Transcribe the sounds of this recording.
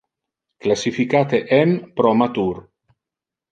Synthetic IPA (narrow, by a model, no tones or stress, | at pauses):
klasifikat̪eʔɛmpɾɔmat̪uɾ